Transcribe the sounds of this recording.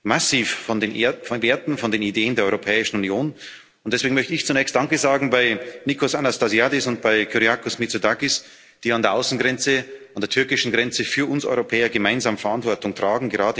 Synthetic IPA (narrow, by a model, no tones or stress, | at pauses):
masiːffɔnefveːɐtn̩fɔndeːnideːəndeːɐɔʏʁopʰɛːɪʃn̩unjoːn | ʊntd̥ɛsveːɡŋ̩mœçtəɪçt͡sunɛːçstd̥aŋkəzaːɡŋ̩baɪnikosanastazjadɪsʊnt̚b̥aɪkʰyʁiakʊsmit͡sodakɪs | d̥iːandeɐʔaʊsn̩ɡʁɛnt͡səandeːɐtʰʏɐkɪʃn̩ɡʁɛnt͡səfyːɐʔʊnsʔɔ̰ʏʁopʰɛːɐɡəmaɪnzaːməfɛɐʔantv̥ɔɐtʊŋtʁ̥aːɡŋ̩ɡəʁaːdə